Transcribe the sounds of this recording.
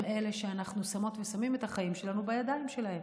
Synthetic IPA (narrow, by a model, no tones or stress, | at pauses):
me̞le̞ʃeanaχnusamo̞t̪vesamime̞t̪aχaimʃe̞lanubajad̪aimʃe̞lahe̞m